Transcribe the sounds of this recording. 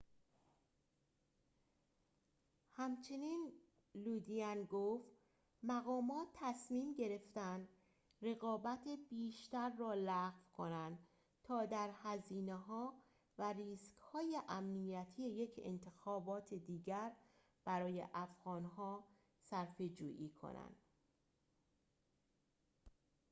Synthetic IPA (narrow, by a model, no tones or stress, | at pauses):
hæmt͡ʃʰe̞niːn | luːd̪iænɡoːft̪ | mæɣɒːmɒːt̪ʰːæsmiːmɟe̞ɾe̞ft̪ænd̪ | re̞ɣɒːbæt̪ʰebiːʃt̪æɾːɒːlæɣvkʰo̞nænd̪̥ | t̪ʰɒːd̪æɾhæziːneɦɒː | væriːskhɒːjeʔæmnijæt̪ʰije̞je̞cʰḛnt̪ʰe̞xɒːbɒːt̪ʰed̪iːɟæɾ | b̥æɾɒːjḛʔæfɣ̥ɒːnɦɒː | sæɾfe̞d͡ʒuːʔiːkʰo̰næ̰nd̪̥